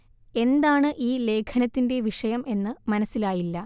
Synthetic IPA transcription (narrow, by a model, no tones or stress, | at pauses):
e̞nd̪aːɳɨʔiːle̞ːkʰɐnɐt̪ːinde̞ʋiʂɐjɐmʔe̞nːɨmɐnɐsːilaːjilːɐ